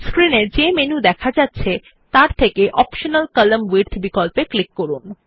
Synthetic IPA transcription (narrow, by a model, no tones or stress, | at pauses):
skɾineɾd͡ʑemenud̪ɛkʰad͡ʑatːɕʰe | t̪aɾt̪ʰekeʔɔpʃonəlkələmwiɾt̪ʰbikolpeklikːoɾun